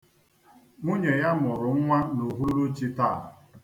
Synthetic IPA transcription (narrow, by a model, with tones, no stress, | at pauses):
ŋʷu˦ɲe˨ja˦mʊ˨ɾʊ˨ŋ̩˦ŋʷa˦no˨ɦu˦ɾu˦t͡ʃi˦taː˦˨